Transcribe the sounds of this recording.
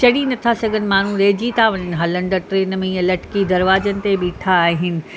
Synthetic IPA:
t͡ɕɐɽinɐt̪ʰasɐɡʱənɪ̆maːn̤ũɾeːd͡ʑit̪ʰaʋɐɲənɪ̆ɦɐlə̃ɳɖəʈɾeːnmẽĩːɐ̃lɐʈɪ̥kid̪ɐɾʋaːzənɪ̆t̪ebiʈʰaːɦɪnɪ̆

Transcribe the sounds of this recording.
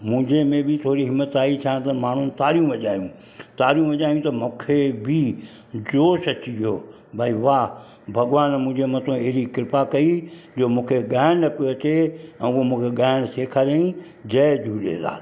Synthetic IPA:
mũɦɪ̃ɲd͡ʑemẽbɪt̪ʰoːɾiɦɪmːət̪aːit̪ʰjãt̪ɐmaːɳ̤unɪ̆t̪aːɾijũʋɐʄaːjũ | t̪aːɾijũʋɐʄaːjũt̪ɐmũːkʰebʱi | d͡ʑoːʃɐt͡ɕijoː | bʱaːiʋaː | bʱɐɠʋaːnmʊ̃ɦɪ̃ɲd͡ʑemɐt̪ʰõeɦɪɾikɪɾpakɐid͡ʑoːmũːkʰeɠaːɪnəpoɐt͡ɕeɛ̃ːʊɦomũːkʰeɠaːɪɽ̃seːkʰaɾaːĩ | d͡ʑɐɪd͡ʒʱuːɗḛːla̰ː

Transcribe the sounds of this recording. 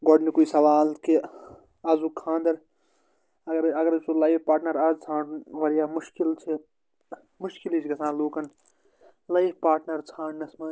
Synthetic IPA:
ɡɔɖnikuisɐʋaːlke | ɐzukʰãːnd̪ɐɾ | ɐɡɐɾɐɡɐɾt͡ʃʰulɐjfpaːɾʈnɐɾɐt͡sʰãːʈʋɐɾjaːmuʃkilt͡ʃʰi | muʃkilit͡ʃʰkɐsʰãːnluːkɐn | lɐjfpaːɾʈnɐɾt͡sʰãːɳnɐsmɐ

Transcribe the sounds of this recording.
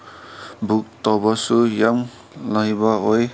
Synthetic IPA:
bʱuk̚t̪ɔbɔsujam | laɦibaɔj

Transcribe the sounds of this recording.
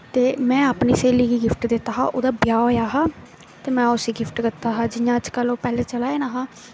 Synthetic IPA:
t̪eːmɛ̃ːaːpniːseːliːɡiːɡɪfʈd̪et̪aːɦa̰ːʔoːd̪aːbɪjaːoːjaːɦãː | t̪eːmɛ̃ːʊsiːɡɪfʰʈkɪt̪ːaːɦãːd͡ʒɪjãːəd͡ʒkəloːpɛːleːt͡ʃəlaːeːnaːɦãː

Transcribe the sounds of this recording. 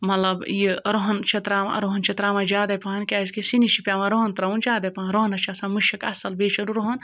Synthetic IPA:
mɐlɐbjiɾoɦɐnt͡ʃʰɐt̪ɾaːm̰ɐ̰ɾoɦɐnt͡ʃʰɐt̪ɾaːmad͡ʒaːd̪ɐpaːɐnkʲaːzkisinit͡ʃʰipʲaːmɐɾoɦɐnt̪ɾɐund͡ʒaːd̪ɐpaːnɾoɦɐnɐt͡ʃʰasãːmuʃɐkɐsɐlbeːt͡ʃʰɐɾuɾoɦɐn

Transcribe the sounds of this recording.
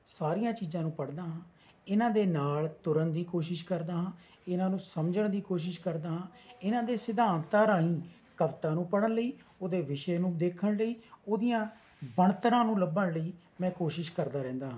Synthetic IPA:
saːɾɪjãːt͡ʃiːzãːnũːpəɽd̪aːɦãː | ɪnãːd̪eːnaːlt̪ʊɾənd̪iːkoːʃɪʃkəɾd̪aːɦãː | ɪnãːnũːsəmd͡ʒəɳd̪iːkoːʃ̬ɪʃkəɾd̪aːɦãːɪnãːd̪eːsɪd̪aːnt̪aːɾaːɦĩː | kəʋt̪ãːnũːpəɽənləiːoːd̪eːʋɪʃeːnũːd̪eːkʰəɳləiːoːd̪ɪjãː | bəɳt̪əɾãːnũːləbəɳləiː | mɛ̃ːkoːʃɪʃkəɾd̪aːɾɛ̃ːnd̪aːɦãː

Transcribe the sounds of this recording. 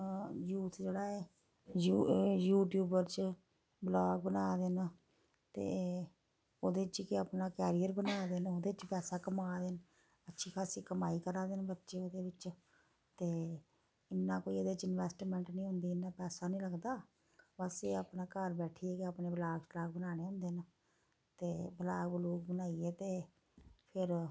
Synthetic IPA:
juːt̪ʰd͡ʒeːɽaːeː | jujuːʈjuːbəɾt͡ʃ | blaːɡ̚bənaːd̪enː | t̪ḛː | oːd̪eːɪt͡ʃkɪaːpnaːkɛːɾijəɾbənaːd̪enoːd̪eːɪt͡ʃpɛːsaːkəmaːd̪ɪn | ətːʃʰiːkʰaːsiːkəmaːiːkəɾaːd̪enbətːʃeːoːd̪eːʋɪt͡ʃ | t̪eː | ɪnːãːkoːioːd̪et͡ʃɪnʋɛːsʈmɛ̃ːɳʈnĩːɦʊ̃nd̪iːɪnːaːpɛːsaːnĩːləɡd̪aː | bəseːaːpnaːkəɾbɛːʈʰiːɛːkeaːpneːblaːɡʃlaːɡ̚bənaːneːɦʊ̃nd̪eːn | t̪eːbəlaːɡbəluːk̚bənaːiːɛːt̪eː | pʰɪɾ

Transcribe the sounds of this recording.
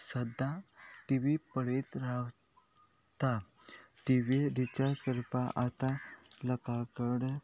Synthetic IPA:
səd̪ʱaʈiʋipəɽet̪ɾaw | t̪at̪iʋedit͡ɕaɾskəɾpaʔat̪aləkakəɽ

